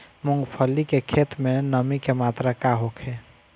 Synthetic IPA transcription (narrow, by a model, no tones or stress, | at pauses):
muŋɡpʰəlikekʰet̪menəmikemat̪ɾakaɦokʰe